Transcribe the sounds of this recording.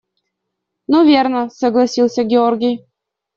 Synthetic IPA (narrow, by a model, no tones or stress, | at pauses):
nuvʲernə̆soɡlˠɑsʲilˠsʲəɡʲeorɡʲij